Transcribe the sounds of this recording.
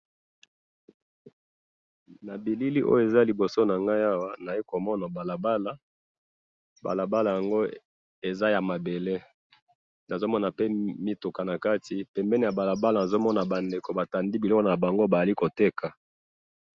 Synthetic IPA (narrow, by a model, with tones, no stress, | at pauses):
na˨bi˨li˦li˦ʔo̰˦jo˦˨e˨za˦li˨bo˨so˦na˨ŋɡa˦ja˦wa˦na˨i˦ko˨mɔ˦na˨ba˨la˨ba˦la˦ | ba̰˨la˨ba˦la˨ja˨ŋɡo˦ | e˨za˦ja˨ma˨be˨le˦ | na˨zo˦mɔ˦na˨pe˦mi˦tu˨ka˨na˨ka˦ti˨pɛ˨mbɛ˦ni˨ja˨ba˨la˨ba˦la˨na˨zo˦mɔ˦na˨ba˨nde˨ko˨ba˨ta˨ndi˦bi˨lɔ˦ko˨na˨ba˨ŋɡo˦ba˨ja˨li˦ko˨te˦kʰa˨